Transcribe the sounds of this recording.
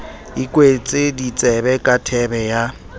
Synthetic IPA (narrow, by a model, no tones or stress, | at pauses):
ikʼwet͡sʼɪdit͡sʼɛbɛkʼatʰɛbɛja